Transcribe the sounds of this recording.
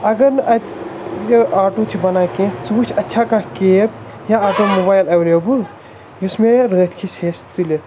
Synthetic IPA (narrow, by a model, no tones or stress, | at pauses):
ɐɡɐɾnʔɐt̪jəʔaːʈut͡ʃʰibɐnaːkẽːt͡suːt͡ʃʰɐtːʃʰakãkeːp | jãɐɡɐɾmoːbaːjlɐʋloːbul | jusmẽɾət̪ʰkʰiseːst̪ule